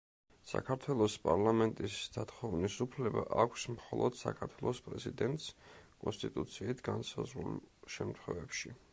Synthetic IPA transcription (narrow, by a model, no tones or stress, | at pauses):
sa̰kʰaɾt̪ʰwɛlˠɔspʼaɾlˠamɛnt̪ʼisd̪̥at̪χɔvnisupʰlɛba̰ʔakʷʰsmχɔlˠɔd̪̥sa̰kʰaɾt̪ʰwɛlˠɔspʼɾɛzid̪ɛnt̪ʼskʼɔnst̪ʼit̪ʼut̪sʰiːt̪ʰɡansazɾṵlʃɛmt̪ʰχwɛvɛpʃi